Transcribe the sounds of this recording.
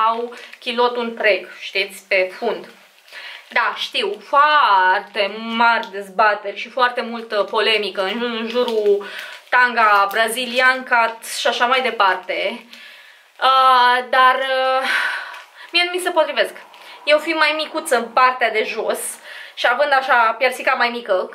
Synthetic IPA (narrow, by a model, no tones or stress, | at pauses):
awkʲilo̞t̪unt̪ɾe̞ɡʃt̪it̪sʲpe̞fund̪ | d̪aʃt̪iwfoart̪e̞marʲd̪e̞zbat̪e̞rʲʃifoart̪e̞mult̪əpo̞le̞mikəɨnɨnʒuɾut̪aŋɡabɾaziliaŋkat̪ʃiaʃamajd̪e̞part̪e̞ | əd̪arə | mienumisəpo̞t̪ɾivesk | je̞wfimajmikut̪sənpart̪ead̪e̞ʒo̞sʃiavɨnd̪aʃapjersikamajmikə